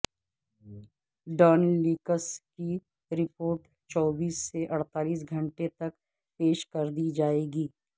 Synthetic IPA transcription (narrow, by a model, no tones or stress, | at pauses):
ɖɔːnliːkəski | ɾɪpoːɾʈ | t͡ʃɔːbiːsːeʔɐɽ̤t̪aːliːs̬ɡʱɐ̃ɳʈet̪ɐk | peːʃkɐɾd̪id͡ʒaːeːɡiː